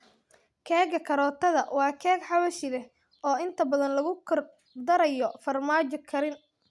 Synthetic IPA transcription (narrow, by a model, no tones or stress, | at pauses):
kʰɛːɡɐkʰɐɾɔːt̪ʰɐðɐwɑːkʰɛːɡħɑwɐʃɪðɛh | ɔːɪnt̪ʰɐbɐðɐnlɐɣʊkʰɐr | d̪ɐɾɐjɔfɐrmaːt͡ʃɔkʰɐɾɪn